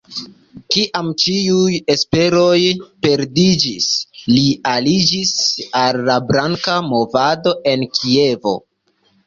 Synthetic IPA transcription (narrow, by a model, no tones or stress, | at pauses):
kiʔamt͡ʃiuje̞spe̞ɾo̞jpe̞ɾdid͡ʒislialid͡ʒisalːabɾaŋkamo̞vado̞ʔe̞nkʰie̞vo̞̰